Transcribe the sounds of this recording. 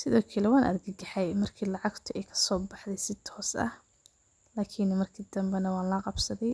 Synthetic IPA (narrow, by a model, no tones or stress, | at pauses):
sɪðɔːkʰɐlɛwɑːnʔɐ̰ɾɡɐɡɐħɛjmɐrkʰiːlɑʕɑɡt̪ʰʊʔɛjkʰɐ̥sɔːbɑħd̪ɛjsɪt̪ʰɔːsɐ̰h | laːkʰinmɐrkʰid̪ɐmbɛnɐwɑːnlɐqɑbsɐðɛj